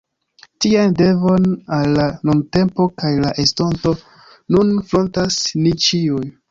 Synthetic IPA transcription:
tiande̞vo̞nalːanunte̞mpo̞kajlaʔesto̞nto̞ | nunfɾo̞ntasnit͡ʃiuj

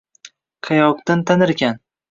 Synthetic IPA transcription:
qʰɑjɒqd̪ant̪ʰanɪɾɡʲan

